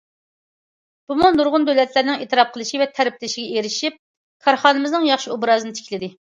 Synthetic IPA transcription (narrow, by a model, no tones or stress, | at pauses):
b̥umunuɾʁʊnd̪ølɛt̪lɪɾnɪŋeːt̪ɨɾɑp̚qʰəlˠɨʃivɛt̪ʰɛɾɪp̚lɪʃiɡʲɛeɾɪʃip̚ | kʰɑɾχɑːnɨmɨznɨŋjɑχʃiubɾɑːzɨnɪt̪ʰɪ̥kʲlɪd̪ɪ